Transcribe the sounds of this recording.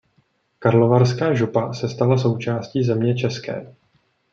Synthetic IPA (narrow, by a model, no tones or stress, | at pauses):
kaɾlovaɾskaːʒupasɛst̪alaso̞wt͡ʃaːsciːzɛmɲɛt͡ʃɛskɛ̰ː